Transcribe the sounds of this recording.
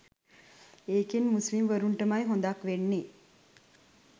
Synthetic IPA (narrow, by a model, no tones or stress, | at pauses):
eːkinmusʋimʋəɾuɳʈəmajɦond̪akʋenːi